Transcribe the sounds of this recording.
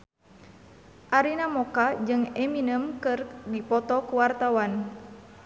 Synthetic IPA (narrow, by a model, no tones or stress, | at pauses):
ʔaɾinamɔkad͡ʒɨŋɛminəmkɨrdipɔt̪ɔkuwart̪awan